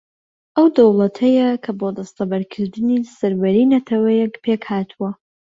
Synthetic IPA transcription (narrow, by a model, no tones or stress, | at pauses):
ʔɐwd̪ɐwlˠɐt̪ʰɐjɐkʰɐbod̪ɐst̪ɐbɐɾkʰɨɾd̪ɨnisɐɾbɐɾiːnɐt̪ʰɐwɐjɛkpʰekhaːt̪ʰuwɐ